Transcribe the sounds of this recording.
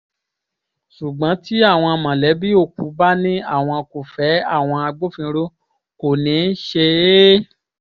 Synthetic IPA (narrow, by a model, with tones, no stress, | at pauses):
ʃu˨ɡ͡bã˨˦ti˦a˦˨w̃ɔ̃˧mã˨lɛ˨˦bi˦o˧˨ku˨˦ba˦nĩ˦a̰˦˨w̃ɔ̃˧ko˨fɛ˨˦a˦˨w̃ɔ̃˧a˧ɡ͡bo˦fĩ˧ɾo˦ | ko˨nĩ˨˦n̩˦ʃe˧˦